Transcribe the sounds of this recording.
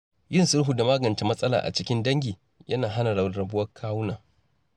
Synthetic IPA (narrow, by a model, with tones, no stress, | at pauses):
jɪ˦nsʊ˦ɽɦu˨da˨maː˦ɡɐ˨nta˨mɐ˦sʼɐ˦la̰ː˨ʔa̰˨t͡ʃɪ˦kʲɪ˦ndɐ˦ŋɡʲiː˨ | jʔɐ˦naː˨ɦa˦na˨ɽɐ˨ɾɐ˨bʊ˦wɐ˦kʰaː˦wʊ˦naː˨